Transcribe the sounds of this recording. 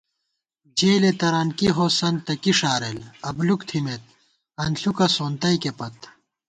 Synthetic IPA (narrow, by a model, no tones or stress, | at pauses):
d͡ʑeːlet̪ɐɾɐnkiɦoːsɐnt̪ɐkiʂaːɾelɐblukt̪ʰimet̪̚ | ɐnɬukɐsoːnt̪ɐikepɐt̪